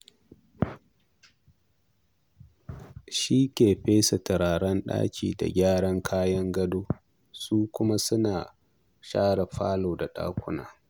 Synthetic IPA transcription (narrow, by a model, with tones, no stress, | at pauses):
ʃi˦kʲeː˨ɸeː˦sɐ˨tɐ˨ɽaː˨ɽɐ˦nɗa̰ː˦kʲḭː˨da̰˨ɡʲaː˦ɽɐ˦ŋkʰaː˦jɐ˦ŋɡɐ˦doː˦ | suː˦kʷʊ˦ma˦sʊ˦naː˨ | ʃaː˦ɽa˨ɸa̰ː˦loː˨da˨ɗa̰ː˦kʷʊ̰˦na̰ː˨